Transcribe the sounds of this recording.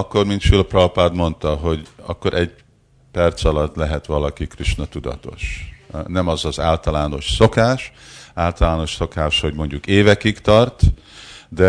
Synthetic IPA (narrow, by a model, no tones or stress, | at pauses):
ɒkːo̞rmint̪ʃilprɒwpad̪mo̞nt̪ɒɦo̞ɟɒ̰kːo̞ɾʔɛɟ | pɛrt̪sɒlɒt̪ːlɛɦɛt̪ʋɒlɒkikriʃnɒt̪ud̪ɒ̰t̪o̞̰ʃnɛmɒzɒzaːlt̪ɒlaːno̞ʃso̞kaːʃaːlt̪ɒlaːno̞ʃso̞kaːʃho̞ɟmo̞ɲɟukeːvɛkikt̪ɒrt̪ | d̪ɛ